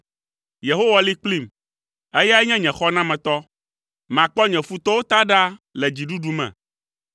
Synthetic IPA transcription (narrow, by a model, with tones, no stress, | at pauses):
je˨ɦo˦wa˨li˦k͡pli˦˨m | e˦ja˦ɛ˦ɲɛ̃˦ɲɛ̃˨xɔ˦nã˦mɛ̃˨t̪ɔ˦ | mã˨k͡pɔ˦ɲɛ̃˨fu˦t̪ɔ˦wo˦t̪a˦ɖa˦lɛ˨d͡ʑi˨ɖu˦ɖu˦mɛ̰̃˨